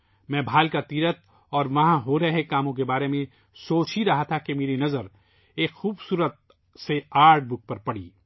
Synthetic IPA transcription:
mɛ̃ːbʱaːlkat̪iːɾət̪̚ | ɔːɾʋɐɦãɦoɾɐɦekaːmõk̬ebaːɾemẽ | soːt͡ʃiɾɐɦat̪ʰakemeːɾinɐzəɾ | eːkxuːbsuːɾət̪̚ | seaːɾɖ̚bʊk̚pɐɾpɐɽ̤ḭː

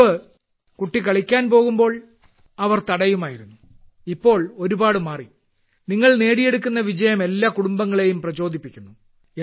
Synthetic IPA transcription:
ɨ | kuʈːikɐɭikʲːaːnpo̞ːɣumbo̞ːɭ | ɐʋɐrt̪ɐɽɐjumaːjiɾunːu | ipːo̞ːɭo̞ɾubaːɽɨmaːrḭ | niŋːɐɭne̞ːɽije̞ɽukʲːunːɐʋid͡ʑɐjɐme̞lːaːkuɽumbɐŋːɐɭe̞jumprɐt͡ɕo̞ːd̪ʱipːikʲːunːu | e

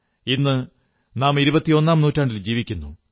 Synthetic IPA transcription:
inːɨ | naːmiɾubɐt̪ːio̞nːaːmnuːtːaːɳɖild͡ʑiːʋikʲːunːu

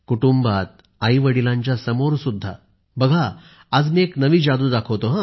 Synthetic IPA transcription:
kuʈumbat̪̚ | aiʋəɽilãɲt͡ɕjasəmoɾsud̪ʱːa̰ | bəɡʱaː | d͡zmieknəʋiːd͡ʑad̪uːd̪akʰəʋt̪oɦã

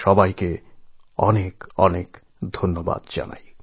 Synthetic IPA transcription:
ʃɔbajke | ɔ̰nekɔnek | d̪ʱonːoba̰d̪d͡ʑa̰na̰j

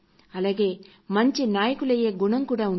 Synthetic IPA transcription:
ɐlaːɡe̞ː | mɐɲt͡ʃinaːjɐkulɐje̞ːɡuɳɐmkuːɽaːun

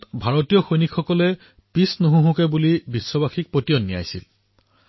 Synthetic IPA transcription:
tbʱaɹotijɔxojnikʰxɔkɔlɛ | pisnoɦũɦũkɛbulibisːɔbaxik̚potiɔnːija̰jsḭl

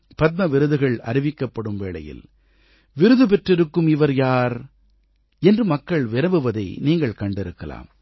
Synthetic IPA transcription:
pɐt̪̚mɐʋɪɾɯðɯɣɐɭɐɾɪʋɪkːɐpːɐɽɯmʋeːɭɐ̰jɪ̰l | ʋɪɾɯðɯp̬ɛʈrɪɾɯkːɯmɪʋɐɾjaːɾ | ɛndrɯmɐkːɐɭʋɪɾɐʋɯʋɐðɐ̰ɪniːŋɡɐɭkɐɳɖɪɾɯkːɐla̰ːm

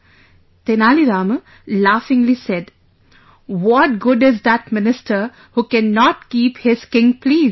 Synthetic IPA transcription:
t̪enaːliɾaːmə | laːfɪ̃ŋlisɛɖ | wɔʈ̚ɡʊɖɪzd̪æʈ̚mɪnɪsʈəɾ | huːkɛ̃nːɔʈkiːphɪz̥kɪ̃ŋpliːz

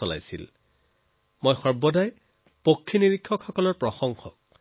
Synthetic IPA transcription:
ɔla̰jsil | mojxɔɹbɔdaj | pokʰːiniɹikʰːɔkxɔkɔlɔɹpɹɔxɔŋxɔk̚

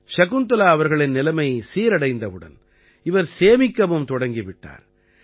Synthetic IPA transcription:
ʂɐɣɯnt̪ɐlaːɐʋɐɾɣɐɭɪnnɪlɐmɐɪsiːɾɐɽɐɪnd̪ɐʋɯɽɐ̰n | ɪʋɐɾseːmɪkːɐmɯmt̪ɔɽɐŋɡɪʋɪʈːa̰ːɾ

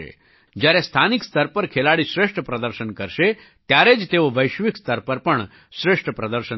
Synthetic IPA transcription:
ḛ | d͡ʒjaɾest̪ʰanikst̪əɾpəɾkʰelaɽiʃɾeʂʈʰəpɾəd̪əɾʃənkəɾʃe | t̪jaɾed͡ʒt̪eoʋəjʃʋikst̪əɾpəɾpəɳ | ʃɾeʂʈʰəpɾəd̪əɾʃə

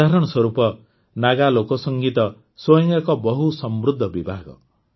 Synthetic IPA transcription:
aɾɔɽ̃ɔswɔɾupɔ | naɡalokɔsɔŋɡit̪ɔ | sojɔŋɡakɔbɔɦusɔmbɾud̪ʱːɔbibʱaɡɔ̰

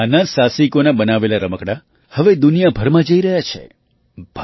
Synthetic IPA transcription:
anəsasikonabənaʋelaɾəməkɽa | həʋed̪unijabʱəɾmãd͡ʒəiɾəɦjat͡ʃʰḛ | bʱ

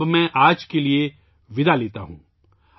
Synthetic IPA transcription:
mɛ̃ʔaːd͡ʒkelie | ʋɪd̪ʱaleːt̪aɦṵ̃ː

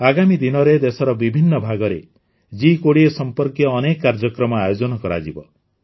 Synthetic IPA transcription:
aɡamid̪inɔɾed̪esɔɾɔbibʱinːɔbʱaɡɔɾe | d͡ʒikoɽiesɔmpɔɾkjɔːnekːaɾd͡ʒɔkɾɔmɔajod͡ʒɔnɔkɔɾa̰d͡ʒibɔ̰

